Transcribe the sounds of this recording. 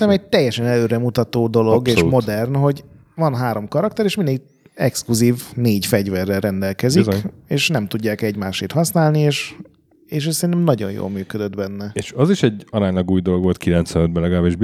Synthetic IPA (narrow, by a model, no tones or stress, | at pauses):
ɛmɛɟ̚t̪ɛjːɛʃɛnɛløːɾɛmut̪ɒt̪oːd̪o̞lo̞ɡeːʃumo̞d̪ɛrnɦo̞ɟ | vɒnɦaːɾo̞mkɒɾɒkt̪ɛɾeːʃmind̪eː | ɛkskluziːvneːɟfɛɟvɛrːɛlːɛnd̪ɛlkɛzieːʃnɛmt̪uɟːaːkɛɟmaːʃeːt̪hɒsnaːlnieːʃ | eːʃ̬ɛssɛɾint̪ɛmnɒɟo̞̰njo̰ːlmyːkød̪ød̪bɛnːɛeʃɒziʃɛɟɒɾaːɲlɒɡuːjd̪o̞loɡʋo̞lt̪̚kʰilɛnt̪sʋɛnød̪bɛlɛɡɒlaːbeʒb